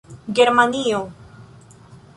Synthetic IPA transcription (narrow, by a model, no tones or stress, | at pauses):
ɡeɾmanio